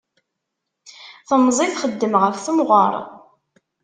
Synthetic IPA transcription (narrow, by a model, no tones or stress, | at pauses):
θəmzˤiθχəd̪ːəmʁəfθumʁə̰ɾˤ